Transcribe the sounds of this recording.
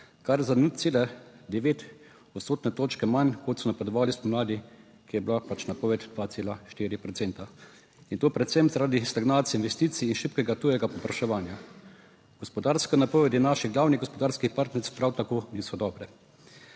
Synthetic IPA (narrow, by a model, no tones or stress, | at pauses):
kaɾzanut̪t̪seːlɛd̪ɛʋeːt̪ | ɔt̪st̪oːt̪nɛt̪oːt͡ʃkɛmankot̪sɔnapɛd̪ɔʋaːlispɔmlaːd̪i | kijɛblapat͡ʃnapɔːʋɛt̪d̪ʋaːt̪seːlaʃt̪iːɾipɾɔt̪sent̪a | int̪oːpɾɛt̪sɛmzaɾaːd̪ist̪aɡnaːt̪sjɛinʋɛst̪iːt̪siːnʃipkɛɡat̪ujɛɡapɔpɾaʃɛʋaːnja | ɡ̥ɔspɔd̪aɾskanapɔːʋɛd̪jɛnaʃiɣɡlaːwniɣɡɔspɔd̪aːɾskixpaɾt̪nɛɾspɾawt̪akoːniːsɔd̪ɔːbɾɛ